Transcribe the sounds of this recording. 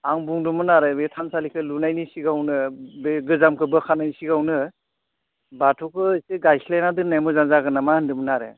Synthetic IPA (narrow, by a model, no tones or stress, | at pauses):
aŋbuŋdumɯnaɾɯbetʰansalikʰɯlunajnisiɡawnɯbeɡɯzamkʰɯbɯkʰanajnisiɡawnɯ | batʰɔkʰɯseɡajkʰilajnadɯnajmɯzaŋzaɡɯnamahɯndɯmɯnaɾɯ̰